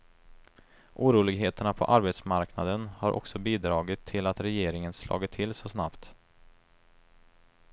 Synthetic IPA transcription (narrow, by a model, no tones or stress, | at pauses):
ʔuːɾuːlɪɡɦeːt̪əɳapʰɔ̰ʔaɾbet̪smaɾknad̪ənhaɾʔɔ̰ksɔbiːd̪ɾɑːɡɪt̪ʰːɪlat̪ɾɛjeːɾɪŋənslʔɑ̰ːɡɪt̪ʰːɪlsɔsnapt̪